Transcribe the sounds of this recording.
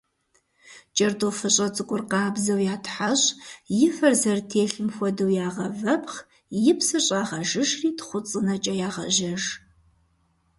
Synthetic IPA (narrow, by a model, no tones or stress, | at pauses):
t͡ʃʼɐrtʰʼofɨɕʼɐt͡sʼɨkʷʼʊrqɑːbzɐwjaːtʰħaɕʼjɪfɐrzɐrtʰeːɬɨmxʷɔdɨwjaːʁɐvɐpχ | jɪpʰsɐɕʼaːʁɐʒɨʃriːtχʷʊt͡sʼɨnɐt͡ʃʼɐjaːʁɐʒɐʒ